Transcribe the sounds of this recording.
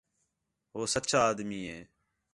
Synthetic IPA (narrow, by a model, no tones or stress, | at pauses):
ɦoːsət̪ːt͡ʃʰaːd̪miːɦeː